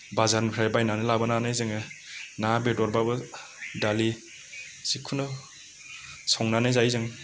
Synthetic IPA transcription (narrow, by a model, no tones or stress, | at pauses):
bazaɾnkʰɾajbajnanɯlabananazɯŋɯnabedɔɾbabɯ | dali | sikʰunɔ | sɔŋnanɯzajzɯŋ